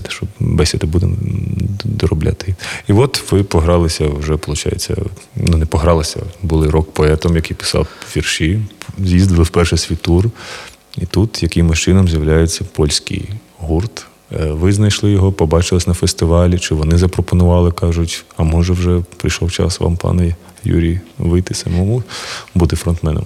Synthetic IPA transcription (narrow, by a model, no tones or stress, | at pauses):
t̪ɛ̥ʃt͡ʃɔbbɛsʲed̪ɐbud̪ɪ̰m | d̪ɔɾɔblʲa̰t̪ɪiʋɔt̪ʋɪpɔɦɾɑlˠɪsʲɐwʒɛpɔlˠʊt͡ʃɑ̰jḛt͡sʲːɐ̰ | nunɛpɔɦɾɑlˠɪsʲɐ̰bulˠɪɾɔkpɔɛt̪ɔmjɐkijpɪ̥sɑ̰wʋʲirʃizʲjizd̪ɪlˠɪwpɛrʃɛsʲʋʲit̪ur | it̪ut̪jɐkɪmɪʃt͡ʃɪnɔmzʲjɐwlʲajet͡sʲːɐpɔlʲsʲkḭj | ɦurt̪ | ʋɪznɐjʃlˠɪjɔɦɔpɔbɑt͡ʃɪlˠɪsʲnɐfest̪ɪʋɑlʲit͡ʃɪʋɔnɪzɐpɾɔpɔnʊʋɑlˠɪkɑʒʊtʲɐmɔʒɛwʒɛpɾɪ̰jʃlˠɔwt͡ʃɑ̰sʋɑ̰mpɑ̰nɛ | jṵɾʲijʋɪjt̪ɪsɐmɔmʊbud̪ɪfɾɔnt̪mɛnɔ̰m